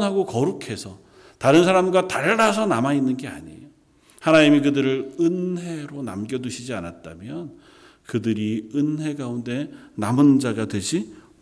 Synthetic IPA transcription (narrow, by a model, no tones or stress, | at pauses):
nɦaɡokʌɾukʰe̞sʰʌ | taɾɯnsʰaɾamɡwataɭːasʰʌnamainːɯnɡe̞a̰ɲḛjo | hanaɲimik̬ɯdɯɾɯɾɯnɦe̞ɾona̰mɡjʌduɕʰid͡ʑianat̚t͈amjʌn | kɯdɯɾiɯnɦe̞ɡaunde̞namɯnd͡ʑaɡadwe̞d͡ʑi